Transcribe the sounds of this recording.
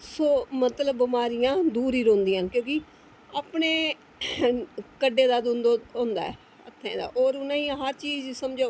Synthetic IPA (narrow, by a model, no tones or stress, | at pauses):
soːmət̪ləbːɪmaːɾijãːd̪uːɾiːɾõːnd̪iːãːkjõːkɪ | aːpɳeː | kəɖːeːd̪aːd̪ʊ̃nd̪oõːnd̪a̰ːɛ̰ː | ət̪ʰːɛ̃ːd̪a̰ːʔoːɾʊnãːĩɦəɾt͡ʃiːzsəmd͡ʒaː